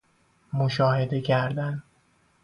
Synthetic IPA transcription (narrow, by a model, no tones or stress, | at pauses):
moʃɒːhe̞d̪e̞cʰæɾd̪æn